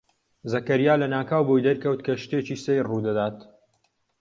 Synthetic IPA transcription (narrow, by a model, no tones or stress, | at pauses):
zɐkɐɾjaːlɐnaːkaːwbojd̪ɐɾkɐwt̪kʰɐʃt̪eːt͡ʃiːsejrud̪ɐd̪aːt̪